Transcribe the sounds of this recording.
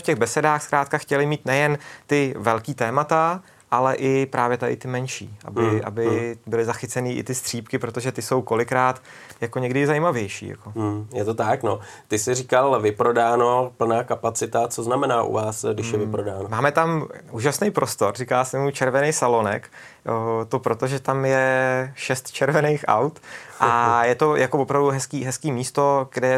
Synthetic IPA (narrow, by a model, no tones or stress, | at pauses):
fcɛɣbɛsɛdaːxskɾaːt̪kaxcɛlɪmiːt̪nɛjɛnt̪ɪvɛlkiːt̪ɛːmat̪a | ʔalɛʔɪpɾʔaːvjɛt̪adɪ̰t̪ɪmɛnʃḭːʔa̰bɪʔa̰bɪbɪlɪzaxɪt͡sɛniːʔɪ̰t̪ɪst̪r̥iːpkɪpɾo̞t̪oʒɛt̪ɪso̞wko̞lɪkɾaːt̪ | jakoɲɛɡdɪzaimavjɛjʃḭːja̰ko̞jɛt̪ot̪akno | t̪ɪsɪriːkalvɪpɾodaːnopl̩naːkapat͡sɪt̪at͡soznamɛnaːʔṵvaːsɡdɪʃjɛvɪpɾodaːnomaːmɛt̪amʔuːʒasnejpɾʔo̞st̪o̞ɾrikaːsɛmujt͡ʃɛɾvɛnejsalo̞nɛ̰kː | t̪o̞pɾo̞t̪oʒɛt̪amjɛʃɛst̪t͡ʃɛɾvɛnejxʔa̰wt̪ʔajɛt̪o̞jakovopɾavduɦɛskiːɦɛskiːmiːst̪o̞ɡ̥dɛ